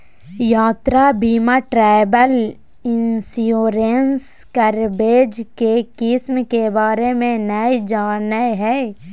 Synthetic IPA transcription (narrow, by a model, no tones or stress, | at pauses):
jaːt̪ɾabiːmaʈɾɛːbəl | ɪnsioːɾens | kəɾbeːd͡ʒkekɪsmkebaːɾemẽnəid͡ʒaːnəɦɛː